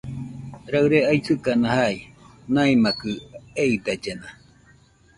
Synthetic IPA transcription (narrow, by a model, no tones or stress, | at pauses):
ɾaɨɾeajsɨkanãhai | naimakɯeid̪ad͡ʒena